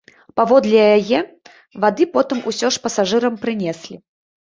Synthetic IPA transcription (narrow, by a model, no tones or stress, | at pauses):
pavɔd̪lʲɛjajɛ | vad̪ɨpɔt̪ɨmusʲɔʂpɐsaʐɨɾɐmpɾɨnʲɛsʲlʲi